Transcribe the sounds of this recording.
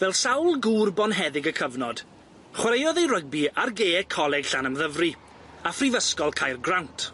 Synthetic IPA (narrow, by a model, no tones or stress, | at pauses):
vɛlˠsawlˠɡuːrbɔnɦɛðɪɡəkʰəvnɔd̥ | χwəɾejɔðejrəɡ̚biarɡeːkʰɔlˠɛɡ̥ɬanəmðəvri | afrivəskɔlˠkʰajrɡrawntʰ